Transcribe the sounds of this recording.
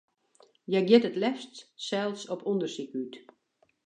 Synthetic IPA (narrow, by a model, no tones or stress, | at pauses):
jɛɡjɪtətlɛftsɛlˠsɔpɔndərsikyt